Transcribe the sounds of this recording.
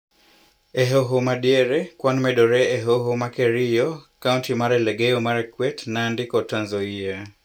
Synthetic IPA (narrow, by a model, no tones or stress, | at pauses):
eɦoɦomaɗiɛɾɛkwanmɛɗɔɾɛːɦoɦomakeɾijɔkauntimaɾɛlɛɡɛjɔmaɾɛkwɛtnaːndikɔtanzɔia